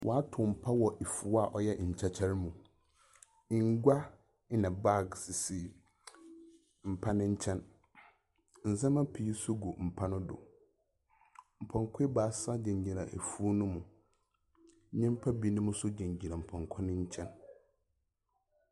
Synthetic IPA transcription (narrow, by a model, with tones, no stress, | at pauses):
wʔɔ˨a˦tʰʊ˨m̩˨pʰa˦wɔ˨ʔi˨fu˨˦a˦˨ʔɔ˨jɛ˦˨ɲ̩˨t͡ɕʰa˦t͡ɕʰɛ˦ɾmũ˨ | ɪ˨ŋ˦ɡʷa˦ | nã˨ba˦˨ɡsɪ˨si˨ | m̩˨pʰa˦nɪ̃˦ɲ̩˦t͡ɕʰɛ̃˦n | n̩˨zɛ̃˦mã˦pʰi˨˦sʊ˦ɡo˨m̩˨pʰa˦nʊ̃˦dʊ̰˨ | m̩˨pʰɔ̃˨ŋkʰʷe˦baː˨˦sa˦dɪ̃˨ɲ˨ɲɪ̃˨ɾa˨ʔḛ˨fu˦nʊ̃˦mʊ̃˨˦ | ɲɛ̃˦m̩˦pʰa˦bi˦nʊ̃˦mʊ̃˦sʊ˦d͡ʑĩ˨ɲ˨d͡ʑi˨ɾa˨m̩˨pʰɔ̃˨ŋkʷʰɔ˦nɪ̃˦ɲ̩˦t͡ɕʰɛ̃˦n